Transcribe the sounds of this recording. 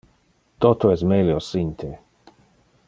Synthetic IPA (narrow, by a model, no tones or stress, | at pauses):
t̪ot̪oɛsmeljosint̪ʰe